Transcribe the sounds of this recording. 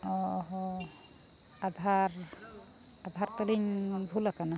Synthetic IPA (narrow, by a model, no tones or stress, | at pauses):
ɔɦɔ | ad̪ʱaɾ | ad̪ʱaɾt̪ɔliɲbʱulakana